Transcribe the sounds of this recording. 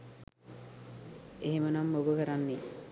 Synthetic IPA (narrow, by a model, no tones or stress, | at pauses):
eɦemənamːobəkəɾanːe